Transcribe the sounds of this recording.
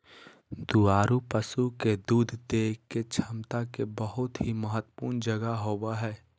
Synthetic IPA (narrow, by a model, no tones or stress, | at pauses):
d̪uaːɾupəsuked̪uːd̪ʱd̪eːket͡ʃʰəmt̪akebəɦʊt̪ɦiməɦət̪ːə̥puːɾnd͡ʒəɡaɦoːwaɦɛː